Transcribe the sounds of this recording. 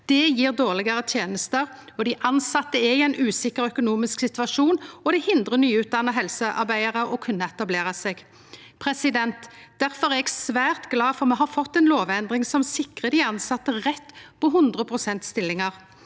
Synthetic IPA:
d̪̥ɛjiːʁd̪oːʁlɪɡəʁət̪ʰjeːnəst̪əʁɔd̪ɪʔɑnsɑt̪ːəɛɪɛɪnʔʉːsɪkəɾœkʊnuːmɪsksɪt̪ʋɑʃuːnɔd̪ɛhɪnd̪ʁənyːʉːt̪̚d̪ɑnːəɦɛlsəʔɑ̰ɾbæɪəʁəʔɔkʰʉnːəɛt̪ɑbleːʁəseːɡ | pʰʁɛsɪd̪ɛnt̪ | d̪̥æʁfɔʁɛɛɡsʋæːʁt̪ɡlɑːfɔʁmɛɦɑfɔt̪ːɛnloːʋɛnd̪ʁɪŋsɔmsɪkʁəd̪ɪɑnsɑt̪ːəʁɛt̪ːpʰɔɦʉnd̪ʁəpʰʁʊsɛnt̪st̪ɪlːɪŋɑʁ

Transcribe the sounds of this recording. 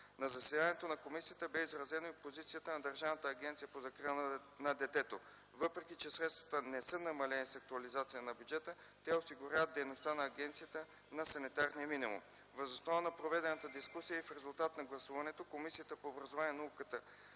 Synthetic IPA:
nɐzɐsɛd̪anɛt̪onɐkomisijət̪əbɛizɾɐzɛnoipozit̪sijət̪ənɐd̪ɐɾʒavnət̪əːɡʲɛnt̪sijəpozɐkɾi | nɐd̪ɛt̪ɛt̪o | vɤpɾɛkit͡ʃɛsɾɛt̪st̪vɐt̪ənɛsɤnɐmɐlɛnisɐk̚t̪uɐlizat̪sijənɐbjud͡ʒɛt̪ət̪ɛosiɡʊɾʲjavət̪d̪ɛjnost̪anɐːɡʲɛnt̪sijət̪ə | nɐsɐnit̪aɾnijəminimṵm | vəzosnɔvənɐpɾovɛd̪ɛnɐt̪əd̪iskusijəifɾɛzulˠt̪at̪nɐɡlˠɐsuvɐnɛt̪okomisijət̪əpoːbɾɐzovaniɛnɐukət̪ə

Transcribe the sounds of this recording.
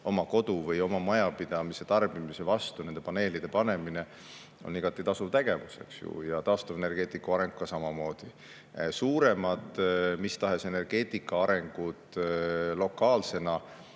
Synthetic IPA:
o̞mɑko̞d̪uvɤjo̞mɑmɑjɑpid̪̥ɑmise̞t̪ɑrb̥imise̞vɑst̪une̞nd̪e̞pɑne̞ːlid̪̥e̞pɑne̞mine̞ | o̞̰niɡ̥ɑt̪ːˑit̪ɑsuvt̪e̞ɡ̥e̞vuse̞̰ksjṵjɑt̪ɑost̪ɑvene̞rɡ̥e̞ːt̪ːˑikːuɑɾe̞ŋɡ̥̚kːɑsɑmɑmo̞ːd̪̥i | suːɾe̞mɑd̪ˑmist̪ɑɦe̞se̞ne̞rɡ̥e̞ːt̪ːˑikːˑɑɑɾe̞ŋɡ̥ud̪lo̞kːˑɑːlse̞nɑ

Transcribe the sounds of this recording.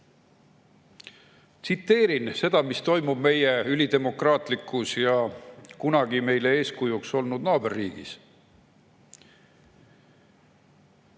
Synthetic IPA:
t̪sit̪ːe̞ːɾinse̞d̪̥ɑmist̪o̞jmub̥me̞jeylʲid̪e̞mo̞krɑːt̪ˑlikːˑusjɑkunɑɡime̞jle̞e̞ːskujukso̞lnud̪nɑːberːiːɡ̥ḭs

